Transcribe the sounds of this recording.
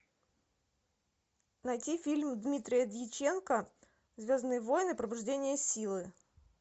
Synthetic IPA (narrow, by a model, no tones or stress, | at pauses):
nɐjtʲifʲilʲmd̪mʲit̪ɾʲɪjəd̪ʲjɪt͡ɕe̞nkə | zʲvʲoznɨjəvo̞jnɨpɾəbʊʐdʲenʲɪjəsʲilˠɨ